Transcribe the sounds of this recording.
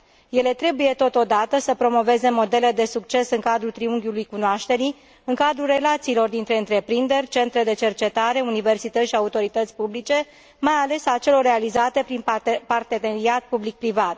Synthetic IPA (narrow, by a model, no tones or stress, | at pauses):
je̞le̞t̪ɾe̞buje̞t̪o̞t̪o̞d̪at̪əsəpɾo̞mo̞ve̞ze̞mo̞d̪e̞le̞d̪e̞suk̚t͡ʃe̞sɨŋkad̪ɾut̪ɾiuŋɡʲjulujkunoaʃt̪e̞ɾi | ɨŋkad̪ɾulre̞lat̪siːlo̞rd̪int̪ɾe̞ɨnt̪ɾe̞pɾind̪e̞rʲt͡ʃe̞nt̪ɾe̞d̪e̞t͡ʃe̞rt͡ʃe̞t̪aɾe̞unive̞rsit̪ət̪sʃiaut̪o̞ɾit̪ət̪sʲpublit͡ʃe̞ | majale̞sat͡ʃe̞lo̞rːe̞alizat̪e̞pɾinpart̪e̞neɾiat̪̚publik̚pɾivat̪